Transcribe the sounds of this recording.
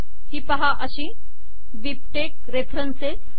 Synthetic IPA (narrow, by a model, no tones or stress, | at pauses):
hiːpəɦaʔəɕĩ | ʋip̚ʈek̚ | ɾefʰɾənse